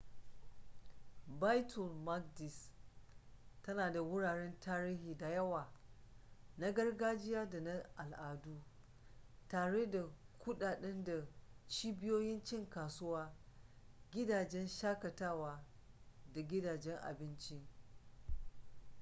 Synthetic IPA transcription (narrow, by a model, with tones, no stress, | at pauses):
ba˦jtʰɔ˨lma˦k̚dɪ˨s | tɐ˦naː˨da˨wʊ˦ɽaː˨ɽɛ˦ntʰaː˦ɾiː˦hiː˨da˨jɐ˦waː˨ | na˦ɡɐ˦rɡaː˦d͡ʒɪ˦jaː˦da˨na˦ʔa˨lʔaː˨duː˦ | taː˨ɽe˦da˨kʷʊ˦ɗaː˨ɗɛ˦nda˨t͡ʃiː˦bɪ˦joː˦jɪ˦nt͡ʃɪ˦ŋkaː˨sʊ˦waː˦ | ɡʲɪ˦daː˨d͡ʒɛ˦nʃaː˦kɐ˨taː˦waː˦da˨ɡʲɪ˦daː˨d͡ʒɛ˦ŋʔa̰˨bɪ˦nt͡ʃi˦